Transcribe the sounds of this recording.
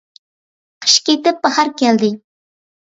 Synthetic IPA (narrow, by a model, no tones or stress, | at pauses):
qʰə̥ʃkʲet̪ɪp̚ːɑhɑɾkʲɛld̪ɪ